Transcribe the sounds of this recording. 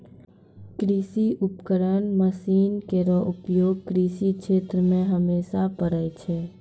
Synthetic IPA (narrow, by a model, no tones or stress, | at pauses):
kɾisiʔupkəɾənməsinkeɾoʔʊpjoɡ̚kɾisikt͡ʃʰet̪ɾəmẽɦəmesapəɾəjt͡ʃʰe